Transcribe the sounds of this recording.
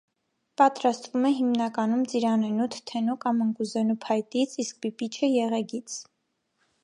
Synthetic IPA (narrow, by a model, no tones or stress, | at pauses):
pɑt̪ɾɑst̪vumɛɦimnɑkɑnumt͡siɾɑnɛnut̪ʰt̪ʰːɛnukɑməŋkuzɛnupʰɑjt̪it͡sʰisk̚bipit͡ʃʰəjɛʁɛɡit͡sʰ